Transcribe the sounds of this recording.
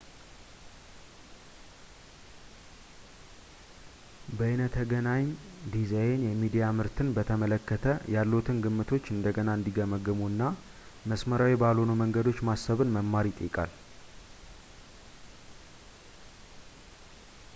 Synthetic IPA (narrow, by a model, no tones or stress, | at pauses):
bəɨnət̪ʰːəɡənaɲd̪izajnjɛmid̪ijamɨɾt̪ʰɨnbət̪ʰəmələkːət̪ʰəjalːut̪ʰɨnɡɨmːɨt̪ʰo̞t͡ʃːɨnd̪əɡənaɨnd̪iɡəməɡɨmuɨnːa | məsməɾawibalonuməŋɡəd̪o̞t͡ʃːmasːəβɨnməmːaɾit̪ʼḭkʼa̰l